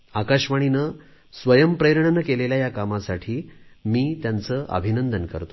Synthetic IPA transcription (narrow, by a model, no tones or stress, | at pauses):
akaɕʋaɽ̃inə | sʋəjəmpɾejɾɳnəkeleljajakamasaʈʰiːmiːt̪jant͡səːʔə̰bʱinənd̪ənkə̰ɾt̪